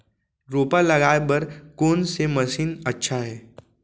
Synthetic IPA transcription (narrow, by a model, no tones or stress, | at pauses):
ɾoːpalɐɡaːebɐɾkoːnsemɐsiːnɐtːʃʰaɦɛː